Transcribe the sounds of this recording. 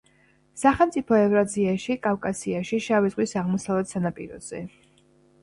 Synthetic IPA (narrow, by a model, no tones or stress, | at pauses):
saχɛlˠmt̪sʼipʰɔɛvɾaziaʃikʼafkʼasiaʃiʃavizʁwisaʁmɔsalɛd̪sanapʼḭɾɔ̰z̥ɛ